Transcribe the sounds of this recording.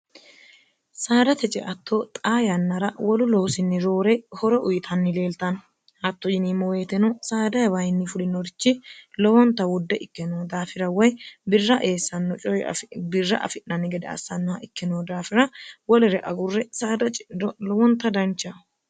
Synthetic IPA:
saːd̪ɐt̪ɛt͡ʃʼɛ̰ʔɐt̪ʰːot̪ʼaːjɐnːɐɾɐwɔlʊloːsɪnːɪɾoːɾɛhɔɾɔʔʊjɪt̪ʰɐnːɪle̞ːlt̪ɐn | ʔɐt̪ːɔjɪniːmɔweːt̪ɛnɔsaːd̪ɐjɐbɐjɪnːɪfʊlɪnɔɾɪt͡ʃːɪlɔwɔnt̪ːɐwʊd̪ːɛʔɪkːɛnoːd̪aːfɪɾɐwɔjbɪrːɐʔe̞ːsːɐnːɔt͡ʃʼɔj̰bɪrːɐ̰ʔɐ̰fɪʔnɐnːɪɡɛd̪ɛɐ̰sːɐnːɔhɐʔɪkːɪnoːd̪aːfɪɾɐwɔlɛɾɛʔɐɡʊrːɛsaːd̪ɐt͡ʃʼɪɪd̪ɔlɔwɔnt̪ːɐd̪ɐnt͡ʃːɐ

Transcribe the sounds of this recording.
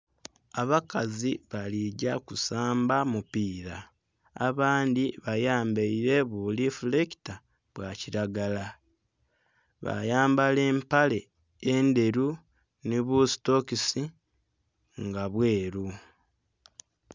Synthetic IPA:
aβakaziβaliɟakusaːmbamupiːɾa̰ː | βaːndiβajaːmbeiɾe̞βulifuleki̥ta | βwaciɾaɡala | βa̰jaːmbale̞ːmpale̞ː | nde̞ɾu | niβusi̥to̞kisi | ŋɡaβwe̞ːɾu

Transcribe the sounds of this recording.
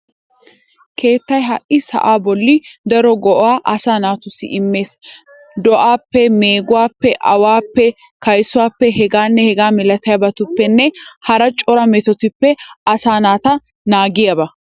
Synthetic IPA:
kʰe̞ːt̪ːɐjɦɐʔʔɪsɐ̰ʔaːbɔlːɪd̪ɐɾɔɡɔʔɔaːʔɐsaːnaːt̪ʊsɪ̰ʔɪmːe̞ːs | d̪ɔʔaːpːɛme̞ːɡʊwaːpːɛʔɐ̰waːpːɛ | kɐjsʊwaːpːɛɦɛɡaːnːɛhɛɡaːmɛlɐt̪ɐjɐbɐt̪ʊpːɛnːɛhɐɾɐt͡ʃʼɔɾɐmɛt̪ɔt̪ɪpːɛɐsaːnaːt̪ɐ | naːɡɪjabɐ

